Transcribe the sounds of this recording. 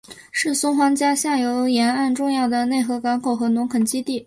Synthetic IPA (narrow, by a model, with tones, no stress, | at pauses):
ʂɻ̩˥˩sʊ˥ŋxwɑ˧˥ŋt͡ɕja˥ɕja˥˩jo˧˥ʊjɛ˧˥na˥˧nʈ͡ʂʊ˥˧ŋjɑ˥˩ʊd̪ə˩ne˥˩ɪxɤ˧˥kɑ˧˥ŋkʰo˨˩ʊxɤ˧˥nʊ˧˥ŋkʰə˨˩nt͡ɕi˥t̪i˥˩